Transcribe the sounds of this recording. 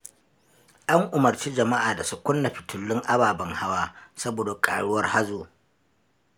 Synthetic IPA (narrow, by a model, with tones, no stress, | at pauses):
jɐ˦ŋʔʊ˨mɐ˨rt͡ʃiː˦d͡ʒɐ˨ma˦ʔaː˨da˨su˦kʷʊ˦nːɐ˨ɸi˨tʰʊ˨lːɪ˦ŋʔa˦baː˨bɐ˨ŋha˦waː˦sɐ˦boː˨da˨kʼa̰ː˨ɽʊ˦wɐ˦rha˦zoː˨